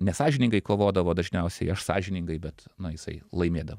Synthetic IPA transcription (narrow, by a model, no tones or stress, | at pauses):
nʲɛsɑːʒʲɪnʲɪŋɡɐɪkoːʋoːd̪ɐʋoːd̪ɐʒʲnʲɛʊsʲɛɪɐʃsɑ̰ːʒʲɪnʲɪŋɡɐɪbʲɛt̪nɐjɪsɐ̰ɪlˠɐɪmʲeːd̪ɐʋoː